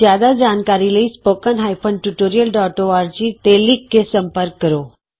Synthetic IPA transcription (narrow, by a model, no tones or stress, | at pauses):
jad̪ad͡ʒankaɾiləispokənɦajpʰəɳʈuʈoɾijəlɖɔʈoʋaɾt͡ɕit̪elikːesəmpəɾkːəɾo